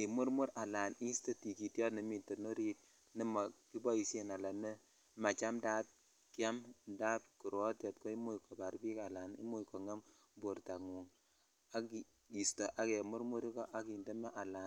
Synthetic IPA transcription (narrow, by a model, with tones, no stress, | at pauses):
i˨mu˦ɾmu˦ɾa˨la˨ni˦sto˦ti˨ki˨tjɔ˦ni˨mi˨to˨no˦ɾi˦t̚ | ni˦ma˨ki˦bɔ˦i˨se˦na˨la˨ne˦ | ma˨t͡ʃa˦mdaː˦t̚ | kja˦mnda˦p̚ku˨ɾo˦te˨tko˦i˦mu˦kɔ˨ba˨ɾbi˦ka˨la˨nḭ˦mu˦jko˨ŋa˦m | bo˨ɾta˨ŋu˨ŋ | a˦ki˨ | i˨sto˨ʔa˨ke˨mu˦ɾmu˦ɾi˦kɔ˦ʔa˦ki˨nde˦mɛ˦ʔa˨laː˨n